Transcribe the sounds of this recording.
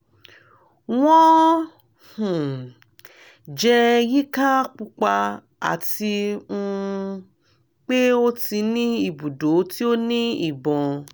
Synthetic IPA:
wɔ̃˦ | hũ˨ | d͡ʒɛ˧ɣi˦ka˦k͡pu˧k͡pa˧ | a̰˨ti˧ũ˧ | k͡pe˦o˦ti˧nĩ˦i˨bu˨do˨˦ti˦o˦nĩ˦i˦˨bɔ̃˨

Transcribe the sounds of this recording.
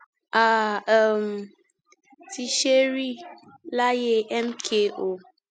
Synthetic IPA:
a˨ɛ˨m˨ | tʰi˨ʃe˦ɾi˦ | la˦je˦˨ʔɛ˦m˦kʰe˦˨ʔo˨

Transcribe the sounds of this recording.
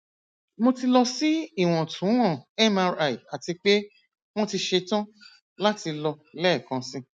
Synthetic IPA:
mo˧ti˧lɔ˧si˦i˦˨w̃ɔ̃˨tʰũ˨˦w̃ɔ̃˦˨ɛ˦ma˧ɾa˨i˨a˨ti˧k͡pe˦ | w̃ɔ̃˦ti˧ʃe˧tã˦ | la˦ti˧lɔ˧lɛ˦˨kã˧sĩ˦

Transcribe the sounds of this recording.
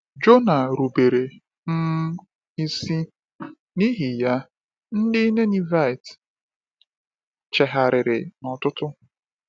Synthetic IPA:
d͡ʒo˦na˨ɾu˨be˨ɾe˨ | m̩˦ | i˦si˦ | ni˦ɦi˨ja˦ | n̩˦dɪ˦ne˦ni˦va˦˨ɪ˨t | t͡ʃɛ˨ɦa˨ɾɪ˨ɾɪ˨nɔ˨tʊ˦tʊ˦

